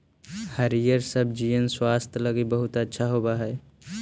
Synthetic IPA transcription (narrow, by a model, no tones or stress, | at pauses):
həɾijəɾsəbʱd͡ʒijənswaːst̪ʰləɡibəɦʊt̪ətːʃʰaɦoːbaɦɛː